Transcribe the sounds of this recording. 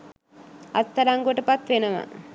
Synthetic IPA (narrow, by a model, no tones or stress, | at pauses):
ɐst̪ːɐɾaŋɡoʈəpat̪ʋenɐʋa̰